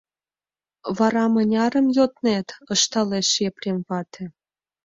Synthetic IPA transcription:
βɑɾɑmənʲɑɾə̆mjot̪net̪ɤʃt̪ɑleʃeprʲemvɑt̪ʰe

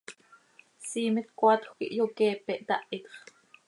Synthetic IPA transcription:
siːmit̪kʷɑt̪xʷkḭʔjokɛːpɛʔt̪ɑʔit̪χ

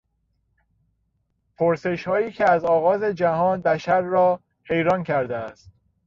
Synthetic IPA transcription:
pʰoɾse̞ʃhɒːjiːcʰeæzɒːɣɒːze̞d͡ʒæhɒːnbæʃæɾːɒː | he̞jɾɒːncʰæɾd̪eæst̪̚

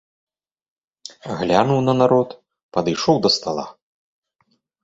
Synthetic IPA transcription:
ɣlʲanuwnɐnaɾɔt̪ | pɐd̪ɨjʂɔwd̪ɐst̪alˠa̰

